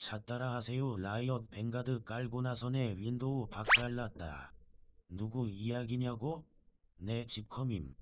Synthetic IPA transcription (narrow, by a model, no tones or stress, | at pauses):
t͡ɕat͈aɾaɦasʰe̞jolaiʌnpe̞ŋɡadɯk͈aɭɡonasʰʌne̞ɥindoupak̚t͈aɭːat̚t͈a̰ | nuɡuijaɡiɲaɡo | ne̞t͡ɕip̚kʰʌmim